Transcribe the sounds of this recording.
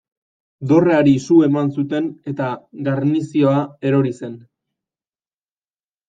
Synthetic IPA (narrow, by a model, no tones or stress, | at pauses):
d̪o̞reaɾisue̞mans̬ut̪e̞ne̞t̪aɡaɾnisio̞ae̞ɾo̞ɾise̞n